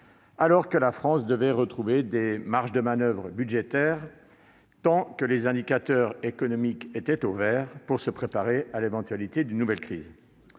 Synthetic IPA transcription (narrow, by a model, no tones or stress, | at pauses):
alɔʁkəlafχɑ̃sd̪əvɛʁət̪χuved̪emaʁʃd̪əmanœvʁəbyd̪ʒet̪ɛːʁ | t̪ɑ̃kəlezɛ̃d̪ikʲat̪œʁekɔnɔmiket̪ɛt̪ovɛʁpuʁsəpχepaʁealevɑ̃t̪ɥalit̪ed̪ynːuvɛlkχiːz